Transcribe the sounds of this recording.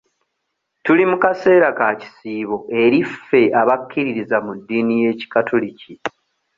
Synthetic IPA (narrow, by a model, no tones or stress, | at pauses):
tulimukase̞ːɾakaci̥siːβo̞ʔe̞ɾife̞ʔaβakːiɾiɾizamudːiːnije̞ːci̥katʰulici